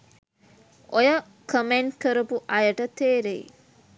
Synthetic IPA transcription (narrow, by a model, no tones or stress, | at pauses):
ʔojə | kəmeɳɖkəɾəpuʔɐjəʈət̪eːɾej̰